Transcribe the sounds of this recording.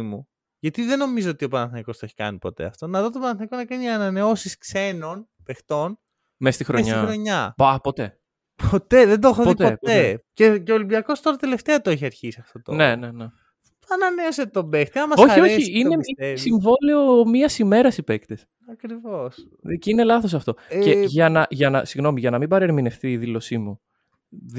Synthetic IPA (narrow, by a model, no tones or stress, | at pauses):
mu | ʝɐt̪iðe̞no̞mizoot̪io̞pɐnɐθniko̞st̪eçi̥kɐ̰nipo̞̰t̪ḛɐ̰ft̪o̞nɐðot̪opɐnɐθnikonɐkɐniɐnɐne̞o̞siskse̞no̞n | pext̪o̞n | mest̪ixɾoeɲɐixɾo̞ɲɐbapot̪ḛ | po̞t̪e̞ðed̪oxoðpit̪pot̪ececeolimbiɐko̞st̪o̞ɾɐt̪ele̞ft̪eɐt̪oeçiɐɾçisiɐft̪o̞t̪onnenene | t̪ɐnɐmeoset̪t̪obext̪iɐmɐso̞çioçiineisiɱvo̞leomiɐsime̞ɾɐsipekt̪es | ɐkɾivos | ceine̞lɐθo̞sɐft̪o̞ceʝɐnɐʝɐnɐ̰siɣno̞miʝɐnɐmibɐɾeɾmine̞fθiːðilo̞simu | ð